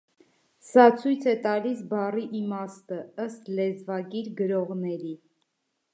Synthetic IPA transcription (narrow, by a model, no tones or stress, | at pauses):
sɑt͡sʰujt͡sʰɛt̪ɑlisbɑriʔimɑst̪əəst̪lɛzvɑɡiɾɡəɾɔʁnɛɾi